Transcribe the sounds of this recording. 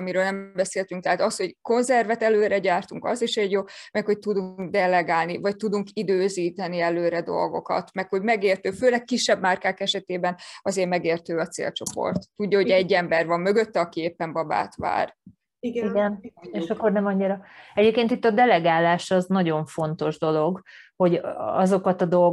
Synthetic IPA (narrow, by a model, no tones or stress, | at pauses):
ɒmiɾøːlnɛmmbɛseːlt̪yŋk̚t̪ɛɦaːt̪ɒsho̞ɟko̞nzɛrvɛt̪ɛløːɾɛɟaːrt̪uŋkɒ̰ziʃɛɟjoːmɛkho̞c̚t̪ud̪uŋɡd̪ɛlɛɡaːlnivɒc̚t̪ud̪uŋkid̪øːziːt̪ɛniɛløːɾɛd̪o̰lɡo̞̰kɒ̰t̪mɛkho̞ɟmɛɡeːrt̪øːføːlɛkːiʃːɛbmaːrkaːkɛʃɛt̪eːbɛnɒzeːrmɛɡeːrt̪øːɒt̪sḛːlt͡ʃo̞po̞̰rt̪ːuɟːɒɦo̞ɟɛɟːɛmbɛrvɒmːø̞ɡø̞t̪ːɛɒkieːpːɛmbɒba̰ːt̪ʋa̰ːr | ɡiɡɛneːʃɒkːornɛmɒɲːiɾɒɛɟeːp̚keːnt̪it̪ːɒd̪ɛlɛɡaːlaːʃɒznɒɟo̞ɱfo̞nt̪o̞ʒd̪o̞lo̞ɡho̞ɟɒzo̞kɒt̪ɒd̪o̞lɡ